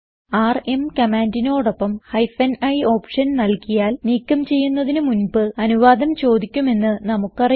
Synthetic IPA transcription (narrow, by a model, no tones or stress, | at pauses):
aːre̞mkɐmaːndino̞ːɽo̞pːɐmhɐjfɐnɐjo̞ːpʂɐnnɐlkijaːlniːkːɐmt͡ɕe̞jːunːɐðinɨmunbɨɐnuʋaːd̪ɐmt͡ɕo̞ːd̪ikʲːume̞nːɨnɐmukːɐri